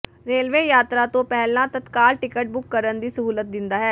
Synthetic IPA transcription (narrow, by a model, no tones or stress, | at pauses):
ɾeːlʋeːjaːt̪ɾaːt̪õːpɛɦlːãːt̪ət̪kaːlʈɪkəʈ̚bʊkːəɾənd̪iːsəɦuːlət̪̚d̪ɪnd̪aːɦɛː